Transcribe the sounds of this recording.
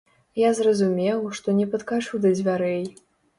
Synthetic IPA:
jazrɐzumʲɛwʂt̪ɔnʲɛpɐt̪kat͡ʂuwd̪ɐd͡zʲvʲaɾɛj

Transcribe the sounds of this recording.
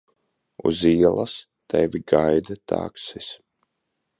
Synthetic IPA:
ṵziɛlˠas | t̪ɛvʲiɡajd̪at̪ʰa̰ːksis

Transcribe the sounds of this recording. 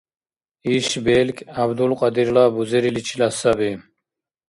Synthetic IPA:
iʃbelkʰʲʼabd̪ulqʼɑd̪iɾlabuzeɾilit͡ʃʰilasabi

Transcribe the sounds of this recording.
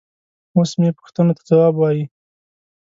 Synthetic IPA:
osmepʊ̥xt̪ənot̪ḁzawɑbwɑji

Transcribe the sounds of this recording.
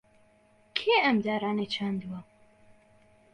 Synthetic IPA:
kʰeːɐmd̪aːɾaːnet͡ʃʰand̪uwɐ

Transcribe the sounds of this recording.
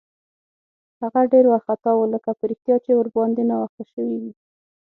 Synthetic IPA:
haɣaɖeɾwaxat̪ɑwoləkapəɾixt̪jɑt͡ʃewəɾbɑnd̪enɑwaxt̪aʃəwiwi

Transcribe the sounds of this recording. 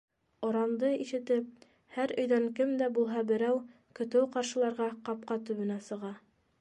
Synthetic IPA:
ŏɾɑnd̪ɤiʃɘ̆t̪ɘp̚ | hæɾɵ̆jðæŋkɘmd̪æbulˠɦɑbɘ̆ɾæw | kɵ̆t̪ɘwqɑɾʃɤ̆lˠɑɾʁɑqɑp̚qɑt̪ʉβɘ̆næsɤ̆ʁɑ

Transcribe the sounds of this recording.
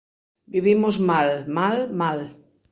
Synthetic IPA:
biβimʊzmalmalmal

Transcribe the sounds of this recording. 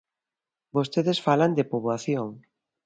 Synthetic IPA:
bost̪eðesfaland̪epoβwaθjoŋ

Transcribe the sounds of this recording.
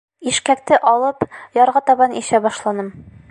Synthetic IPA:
iʃkækt̪ɘʔɒlˠɤpjɒɾʁɑt̪ɒbɑnḭɕæbɒʃlˠɑnɤm

